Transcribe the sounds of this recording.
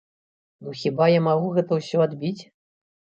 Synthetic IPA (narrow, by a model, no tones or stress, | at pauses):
nuxʲibajamaɣuɣɛt̪ɐwsʲɔad̪bʲit͡sʲ